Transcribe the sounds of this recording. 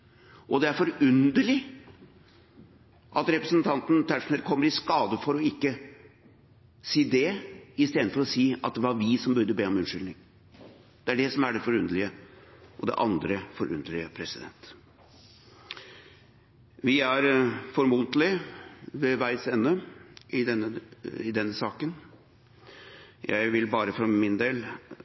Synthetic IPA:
ʔɔd̪ɛæɾfɔɾʉnd̪əɭɪ | ʔɑt̪ɾɛpɾəsnt̪ʰɑnt̪n̩t̪ʰæʂnɛlkʰɔmːəɾɪskɑːd̪əfɔɾɔɪkːə | siːd̪ɛɪst̪eːd̪nfɔɾɔsiːɑt̪̚d̪ɛʋɑɾʋɪsɔmbʉɾd̪ːəbeːɔmʉnʂʏlnɪŋ | d̪̥ɛæɖɛsɔmæɖɛfɔɾʉnd̪əɭɪəʔɔd̪ɛ̰ʔɑnd̪ɾəfɔɾʔʉ̰nd̪lɪəpʰɾɛsɪd̪ɛ̰nt̪ | ʋɪæɾfɔɾmuːt̪lɪʋɛʋæɪsɛnːʉɪd̪ɛnːəɪd̪ɛnːəsɑːkən | jæ̰ɪʋɪlbɑːɾəfɾɑmɪnd̪eːl

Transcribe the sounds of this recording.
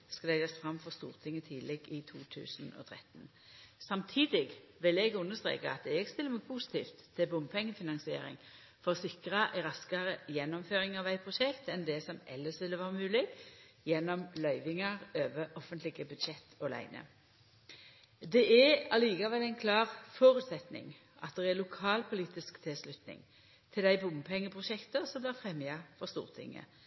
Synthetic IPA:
skɑlæɪɑsfʁɑmfɔʁst̪ṵːʁt̪ʰɪŋːət̪ʰiːlɛɡɪt̪ʰuːt̪ʰʉ̰ːsən̩ɔ̰ːt̪ʰʁɛ̰t̪n | sɑmt̪ʰiːd̪ɪɡʋɪlɛɡʉnːəst̪ʁḛːkɑɑt̪ɛɡst̪ɪlːəmɛɡ̚pʰuːsɪ̥t̪ʰiːft̪ʰːɪbʊmpʰɛŋːəfɪnɑnsɪḛːɾɪ̰ŋ | fɔʁsɪkʁəæɪʁɑskəʁəjɛnːɔmføːʁɪŋɑʋæɪpʰʁʊʃɛkt̪ɛnd̪ɛsɔmʔɛləsʋɪlːəʋɑːʁəmʉːlɪɡjɛnːɔmlœʏʋɪŋəʁøːʋəʔɔfənt̪lɪɡəbʉd̪ʃɛt̪ʰːɔlæ̰ɪnə̰ | d̪ɛʔɛɑliːɡɑʋəlæɪnkʰlɑːʁfoːɾʉːt̪sɛt̪nɪ̰ŋ | ʔɑt̪̚d̪ɛɛlʊkʰɑːlpʰʊliːt̪ɪskt̪ʰɪslʉt̪nɪ̰ŋ | t̪ʰɪld̪æɪbʊmpʰɛŋːəpʰʁʊʃɛkt̪əsɔmblɪːʁfʁɛmːjɑfɔʁst̪ṵːʁt̪ʰɪ̰ŋːə̰

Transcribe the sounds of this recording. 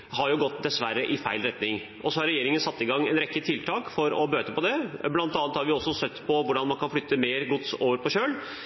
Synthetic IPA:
hɑɾjʊɡɔt̪ːd̪ɛsʋæɾːəʔɪfæɪlɾɛt̪nɪŋ | ʔɔsɔhɑɾɛjeːɾɪŋənsɑt̪ːɪɡɑŋːɛnɾɛkːət̪ʰɪlt̪ʰɑːkfɔɾɔ̰bøːt̪əpɔd̪ɛblɑnt̪ɑːnt̪hɑɾʋɪɔsːɔsœt̪ːpʰɔʋʊɖɑnmɑnkʰɑnflʏt̪ːəmeːɾɡʊt̪soːʋəɾpʰɔɕøːl

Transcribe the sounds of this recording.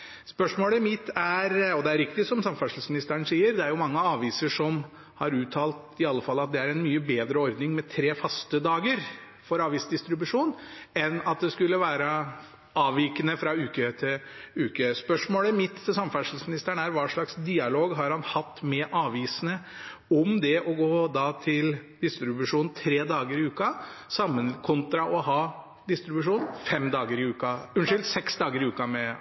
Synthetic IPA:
spœʂmoːləmɪt̪ʰːæɾɔd̪ɛæɾɪk̚t̪ɪsɔmsɑmfæʂl̩smɪnɪst̪æɳsiːəɾd̪ɛæɾjʊmɑŋːəɑːʋiːsəʂɔm | hɑɾʉːt̪ʰɑːlt̪ɪɑlːəfɑlːɑt̪̚d̪ɛæɾɛnmyːəbeːd̪ɾəɔɾd̪nɪŋmɛt̪ʰɾeːfɑst̪əd̪ɑːɡəɾ | fɔɾɑːʋiːsd̪ɪst̪ɾɪbʉʂuːnɛnɑt̪̚d̪ɛskʉlːəʋæːɾə | ʔɑːʋiːkənəfɾɑʉːkət̪ʰɪlʉːkəspœʂmoːləmɪt̪ːt̪ʰɪsɑməfæʂəl̩smɪnɪst̪æɳæɾʋɑːʂɭɑksd̪iːɑloːɡɦɑɾhɑnhɑt̪ːmɛʔɑːʋiːsənə | ɔmd̪ɛʔɔɡoːd̪ɑt̪ʰɪld̪ɪst̪ɾɪbʉʂuːnn̩t̪ʰɾeːd̪ɑːɡəɾɪʉːkɑsɑmːənkʰʊnt̪ɾɑʔɔhɑː | d̪ɪst̪ɾɪbʉʂuːnfɛmd̪ɑːɡəɾɪʉːkɑʉnʂʏlt̪sɛksd̪ɑːɡəɾɪʉːkɑmɛ

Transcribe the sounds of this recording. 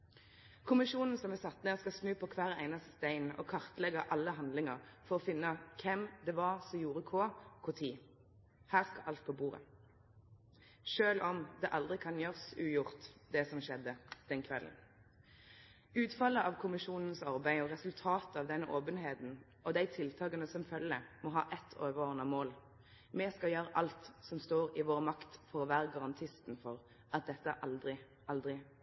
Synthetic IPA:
kʰʊmɪʃuːnn̩sɔmɛsɑt̪neːʁskɑsnʉːpʰɔkʰʋæːʁæɪnɑst̪ə̥st̪æɪnʔɔ̰kʰɑʁt̪əlɛɡɑʔɑlːəɦɑnd̪lɪŋəʁfɔʁɔfɪnːəkʰɛmd̪ɛʋɑʁsɔmjuːʁəkʰoːkʰʊt̪ʰiː | hæːʁskɑʔɑlt̪̚pʰɔbuːʁə̰ | ʃøːlɔmd̪ɛʔɑld̪ʁɪkʰɑnjøːʁsʉːjʊʁt̪d̪ɛsɔmʃɛd̪ːəd̪̥ɛnkʰʋɛlə̰n̩ | ʉːt̪fɑlːəʔɑʋkʰʊmɪʃuːnən̩sɑʁbæɪɔʁɛsʉlt̪ʰɑːt̪ɑʋd̪ɛnːəʔoːpənɦeːt̪n̩ | ʔɔd̪æɪt̪ʰɪlt̪ʰɑːɡənəsɔmfœləmɔɦɑ̰ːʔɛt̪ʰːoːʋəʁoːʁnəmoːl | mɛskɑjøːɾəʔɑlt̪sɔmst̪oːʁɪʋoːʁəmɑkt̪fɔʁɔʋæːʁəɡɑʁɑnt̪ʰɪst̪n̩fɔʁ | ʔɑt̪̚d̪ɛt̪ːəʔɑld̪ʁɪ | ɑld̪ʁɪ

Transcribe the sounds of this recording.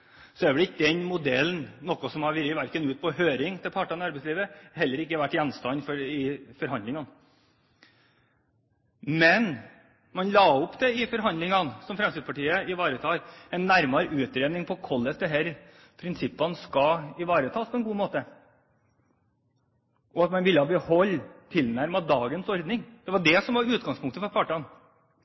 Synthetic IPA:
sɔæɾʋɛlɪkːəd̪ɛnmʊd̪ɛlnnɔkːɔsɔmhɑɾʋɪɾəʋæɾkənʉːt̪̚pʰɔhøːɾɪŋt̪ʰɪlpʰɑʈːɑnɑɾbɛsliːʋəɦɛlːəɾɪkːəʋæʈːjɛnst̪ɑnfɔɾɪfɔɾhɑnd̪lɪŋɑn | mɛn | mɑnlɑːʊpd̪ɛɪfɔɾɦɑnd̪lɪŋɑnsɔmfɾɛmsɪd̪pʰɑʈiːəɪʋɑːɾət̪ʰɑːɾɛɪnːæɾmɑɾʔʉːt̪ɾeːd̪nɪŋpʰɔkʰɔlːəsd̪ɛɦæɾ | pʰɾɪnsɪpːɑnskɑɪʋɑːɾət̪ʰɑːspʰɔɛnɡuːmoːt̪ə | ʔɔɑt̪mɑnʋɪlːəhɑːbəhɔlːt̪ʰɪlnæɾmɑd̪ɑːɡənsɔɾd̪nɪŋd̪̥ɛʋɑɖɛsɔmʋɑɾʉːt̪̚ɡɑŋspʰʊŋkt̪əfɔɾpʰɑːʈɑn

